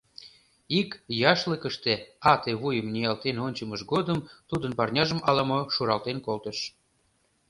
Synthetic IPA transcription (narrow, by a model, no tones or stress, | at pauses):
ikjɑʃləkəʃt̪eɑt̪eβujəmnʲijɑlt̪enonʲt͡ɕəməʃɡod̪əmt̪ud̪ənpɑrnʲɑʒəmɑlɑmoʃuɾɑlt̪enkolt̪əʃ